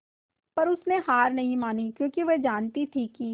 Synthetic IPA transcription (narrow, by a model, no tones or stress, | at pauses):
pɐɾʊsneɦaːɾnɐɦĩmaːnikjõːkiʋed͡ʒaːnt̪it̪ʰiːkːiː